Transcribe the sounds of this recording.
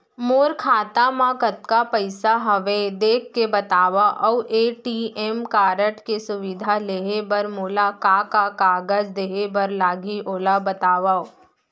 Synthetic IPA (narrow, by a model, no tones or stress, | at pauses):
moːɾkʰaːt̪amãkət̪kapəɪsaɦɐʋed̪eːkʰːebɐt̪aːʋaʔɔwʔeːʈiʔemkaːɾəʈkesʊʋɪd̪ʱaleːɦebɐɾmoːlakakakaːɡəd͡ʒd̪eːɦebɐɾlaːɡiʔoːlabɐt̪aːʋaːo